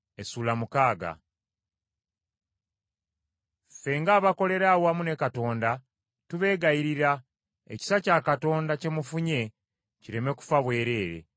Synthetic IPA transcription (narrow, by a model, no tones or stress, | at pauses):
esuːlamukaːɡa̰ | fe̞ŋɡaːβako̞le̞ɾawamune̞kato̞ːnda | tuβe̞ːɡajiɾiɾa | e̞̰ci̥sacakato̞ːndace̞mufuɲe̞ | ciɾe̞me̞ku̥faβwe̞ːɾe̞ːɾe̞̰